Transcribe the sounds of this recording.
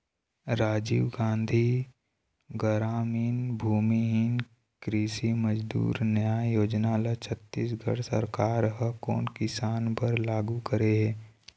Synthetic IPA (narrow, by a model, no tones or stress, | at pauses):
ɾaːd͡ʒiːʋɡãːnd̪ʱi | ɡəɾaːmiːnbʱuːmiɦin | kɾiːsiməd͡ʒd̪ṵːɾnəjaːjoːd͡ʒnalat͡ʃʰət̪ːiːs̬ɡʱə̰ɽsə̰ɾkaːɾɦəko̰ːnkɪsaːnpəɾlaːɡukəɾeɦɛː